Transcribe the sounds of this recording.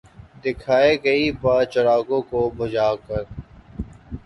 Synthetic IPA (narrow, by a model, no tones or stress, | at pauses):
d̪ɪkʰaːekəipat͡ʃəɾaːkõːkobʱəd͡ʒaːkəɾ